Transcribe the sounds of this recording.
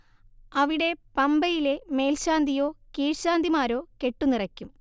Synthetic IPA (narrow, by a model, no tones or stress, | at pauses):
ɐʋiɽe̞pɐmbɐjile̞me̞ːlɕaːnd̪ijo̞ːkiːɻɕaːnd̪imaːɾo̞ːke̞ʈːunirɐkʲːum